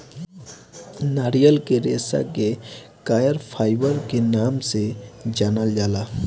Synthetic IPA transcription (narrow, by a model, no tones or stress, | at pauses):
naːɾijəlkeɾḛːsa̰ke | kaːjəɾpʰaːɪbəɾkenaːmsed͡ʒaːnald͡ʒaːlaː